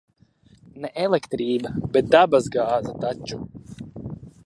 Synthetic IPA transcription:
nɛʔɛlˠekt̪ɾiːbabet̪̚d̪abazɡaːzat̪at͡ʃːu

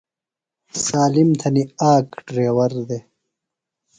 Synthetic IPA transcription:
saːlimt̪ʰɐniaːkɖɾeːwɐɾd̪e

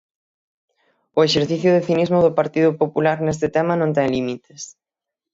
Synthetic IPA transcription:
ʊeʃeɾθiθjʊðɪθinizmʊðʊpaɾt̪iðʊpopulaɾnest̪ɪt̪ɛmɐnõnt̪ɛŋlimit̪e̥s

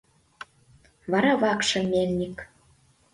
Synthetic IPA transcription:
βɑɾɑβɑkʃɤ̆mʲːelnʲik

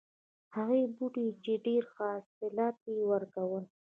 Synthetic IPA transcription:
haɣebuɖit͡ʃeɖeɾxɑsɪlɑt̪̚ewəɾkawəl

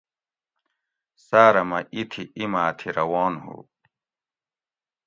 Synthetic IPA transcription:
saːɾɐmɐʔit̪ʰiimaːt̪ʰiɾɐwoːnhṵ

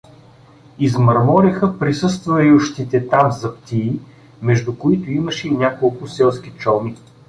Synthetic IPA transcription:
izmɐɾmɔɾixəpɾisɤst̪vɐiʊʃt̪it̪ɛt̪amzɐpt̪iː | mɛʒd̪ʊkʊit̪ʊiməʃɛinʲakolˠkʊsɛlˠskit͡ʃɔmi

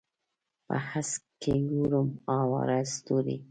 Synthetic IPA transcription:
pa̰haskeɡuɾumɑwa̰ɾast̪uɾḭ

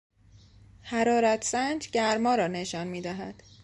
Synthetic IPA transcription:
hæɾɒːɾæt̪ʰsænd͡ʒɟæɾmɒːɾɒːneʃɒːnmiːd̪æɦæd̪̥

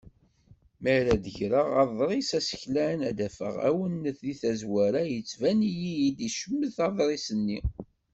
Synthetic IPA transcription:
məɾæd̪əʝɾəʁɑðˤɾˤisæsə̥çlænæd̪æfə̰ʁæ̰wənːəθliθæzwæɾajət͡sːvænijijid̪iʃəmːəθɑðˤɾˤisənːi

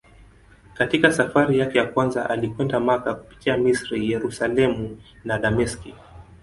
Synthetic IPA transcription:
katikasafaɾijakɛjakwanzaʔalikwɛndamakaku̥pi̥tiamisɾijɛɾusalɛmunaɗamɛski

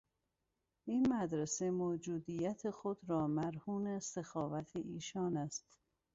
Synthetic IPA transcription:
iːnmæd̪ɾesemoːd͡ʒuːd̪iːjæt̪ʰexod̪ɾɒːmæɾhuːnest̪exɒːvæt̪ʰeʔiːʃɒːnæst̪

